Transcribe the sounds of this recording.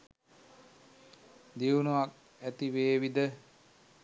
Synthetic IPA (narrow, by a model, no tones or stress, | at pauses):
d̪iwnuʋak̚ | æt̪iʋeːʋid̪ə